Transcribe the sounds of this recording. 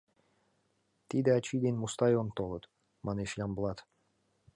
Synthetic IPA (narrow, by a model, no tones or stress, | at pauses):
t̪id̪ɘ̆ɑt͡ɕid̪enʲmust̪ɑjont̪olˠɤ̆t̪ | mɑneʃjɑmbəlˠɑt̪